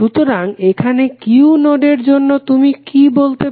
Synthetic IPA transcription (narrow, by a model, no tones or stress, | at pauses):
ut̪oɾaŋekʰanekiunoɖeɾd͡ʑonːot̪umikibolt̪e